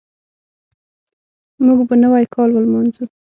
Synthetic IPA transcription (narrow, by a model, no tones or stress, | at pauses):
muɡbanəwajkʰɑlwəlmɑnzu